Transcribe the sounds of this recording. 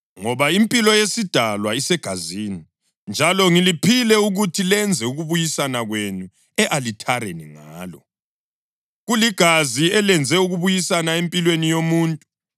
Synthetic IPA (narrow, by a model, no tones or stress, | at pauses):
ŋɔβaimpʼilɔjesid̥ʱalwaisɛɡ̥ʱazini | nd͡ʒʱalɔŋilipʰilɛuɣutʰilɛnd͡zʱɛuɣuβujisanaɣwenu | ɛʔalitʰaɾḛniŋaːlɔ | ɣuliɡ̥ʱaziɛlɛnd͡zʱɛuɣuβujisanaempʼilwenijomuːntʼu